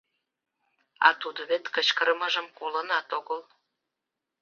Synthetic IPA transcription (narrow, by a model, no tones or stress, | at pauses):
ɑ̰t̪ud̪əβet̪kət͡ɕkəɾəməʒə̆mkolə̆nɑt̪oɣəl